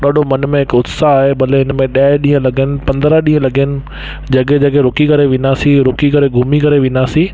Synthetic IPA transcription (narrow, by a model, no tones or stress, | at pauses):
ɗaːɗʱomɐnmẽɦɪkʊd̪saːɦebɐleɪnmẽɗaːɪɗĩːə̃lɐɡʱənɪ̆pɐ̃nd̪ɾaɗĩːə̃lɐɡənɪ̆ | d͡ʑɐɡed͡ʑɐɡeɾʊkikɐɾeʋɪ̃naːsiɾʊkikɐɾeɡʱʊmikɐɾeʋɪ̃naːsĩː